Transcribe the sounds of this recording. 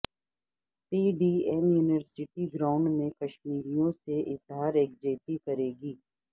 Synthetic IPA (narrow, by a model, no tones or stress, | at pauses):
piːɖiːɛmjuːnɪʋəɾsɪʈiɡɾaːʊ̃ɳɖmẽkɐʃmiːɾijõseʔɪsɦaːɾeːk̚d͡ʒeːt̪ikɐɾeːɡiː